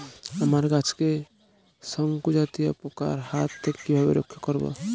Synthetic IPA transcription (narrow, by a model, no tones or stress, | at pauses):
əmaɾɡat͡ʃʰke | səŋkud͡ʒat̪ijapoka̰ɾhat̪ːekkibʱabḛɾo̰kʰjəkəɾbɔ̰